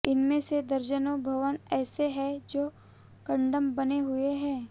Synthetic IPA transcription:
ɪnmẽsed̪ɐɾd͡ʒənobʱɐʋənɛːseɦɛ̃d͡ʒoː | kɐ̃ɳɖəmbɐneɦʊeɦɛ̃ː

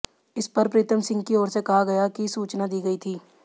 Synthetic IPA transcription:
ɪspɐɾpɾɪt̪ʰəmsɪ̃ŋɡ̚kiɔːɾsekɐɦaɡɐjakisuːt͡ʃnad̪iːɡɐit̪ʰiː

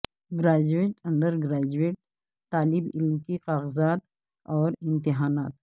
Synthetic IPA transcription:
ɡɾaːd͡ʒueːʈɐ̃ɳɖəɾɡɾaːd͡ʒueːʈ̚ | t̪aːlɪbɪlmkiqaːɣzaːt̪ | ɔːɾɪ̃nt̪ɪɦaːnaːt̪̚

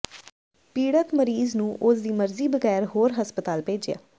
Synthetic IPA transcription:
piːɽət̪məɾiːznũːʔʊsd̪iːməɾziːbəɡɛːɾɦoːɾɦəspət̪aːlpeːd͡ʒɪja̰ː

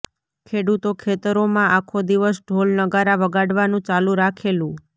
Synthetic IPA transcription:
kʰeɽut̪okʰet̪əɾomãʔakʰod̪iʋəsɖʱolnəɡaɾaʋəɡaɽʋanũt͡ʃalũɾakʰelũ

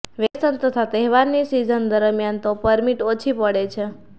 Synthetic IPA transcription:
ʋesənt̪ət̪ʰat̪ɛɦʋaɾnisizənd̪əɾəmijant̪opəɾmiʈot͡ʃʰipəɽet͡ʃʰe

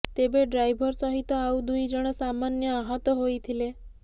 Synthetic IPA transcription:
t̪ebeɖɾajbʱɔɾsɔɦit̪ɔaud̪ujd͡ʒɔɽ̃ɔsamanjɔaɦɔt̪ɔɦojt̪ʰile

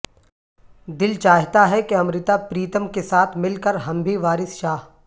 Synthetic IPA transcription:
d̪ɪlt͡ʃaːɦt̪aɦɛkeɐmɾɪt̪apɾiːt̪əmkesaːt̪ʰmɪlkəɾɦɐmbʱiʋaːɾɪsʃaːɦ

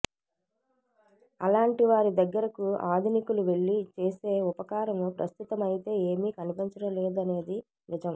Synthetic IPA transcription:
ɐ̰laːɳʈiʋaːɾid̪ɐɡːɐɾɐkuaːd̪ʱunikuluʋe̞ɭːit͡ʃeːse̞ːupɐkaːɾɐmupɾɐst̪ut̪ɐmɐjit̪e̞ːeːmiːkɐnipiɲt͡ʃɐɾɐleːd̪ɐne̞ːd̪i | ʋid͡ʒɐm

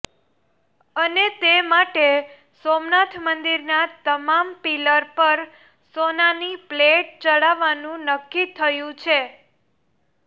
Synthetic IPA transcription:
ənet̪emaʈe | somnat̪ʰmənd̪iɾnat̪əmampiləɾpəɾ | sonanipleʈ̚t͡ʃəɽaʋanũnəkːit̪ʰəjũt͡ʃʰe

